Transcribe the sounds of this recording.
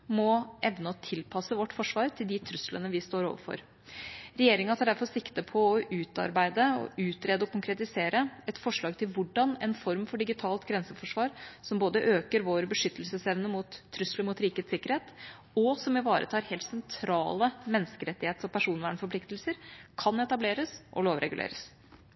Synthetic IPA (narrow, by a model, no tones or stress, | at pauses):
mɔʔɛʋnt̪ʰɪlpʰɑsəʋɔʈːfɔʂʋɑːɾt̪ʰɪld̪ɪt̪ʰɾʉslənəʋɪst̪oːɾo̰ːʋəɾfɔ̰ɾ | ɾɛjeːɾɪŋɑt̪ʰɑːɖæɾfɔɾsɪkt̪əpʰɔːʔʉːt̪ɑ̰ɾbæɪd̪əɔ̰ʉːt̪ɾeːd̪əɔkʊŋkʰɾɛt̪ɪseːɾəɛt̪fɔʂɭɑːɡt̪ʰɪlʋʊɖɑnɛnfɔɾmfɔɖɪɡɪt̪ʰɑːlt̪ɡɾɛnsəfɔʂʋɑːɾsɔmboːd̪əʔøːkəɾʋoːɾbəʂʏt̪ːəlsəsɛʋnəmut̪ʰːɾʏsləmʊːt̪ɾiːkəeːt̪sɪkːəɾheːt̪ | ɔsɔmʋɪʋɑːɾʔə̰t̪ʰɑːɾhɛːlt̪sɛnt̪ʰɾɑ̰ːləmɛnːəskəɾɛt̪ːɪheːt̪ɔpʰæʂuːnʋæːɳfɔɾpʰlɪkt̪lsəɾkʰɑnɛt̪ɑbleːɾəsʔɔ̰loːʋɾɛ̰ɡʉlʔḛːɾəs